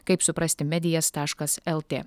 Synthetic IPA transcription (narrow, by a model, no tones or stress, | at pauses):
kɐɪpsʊpɾɐsʲt̪ʲɪmʲɛd̪ʲɪjɛst̪ɑːʃkɐsɛlˠt̪ʲeː